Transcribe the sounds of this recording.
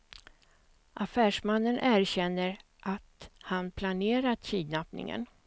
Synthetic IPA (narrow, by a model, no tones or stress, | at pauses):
ʔafæːʂmanːənʔæːɾɕɛnːəɾ | ʔat̪hanpʰlaneːɾat̪tʰiːd̪napnɪ̰ŋə̰n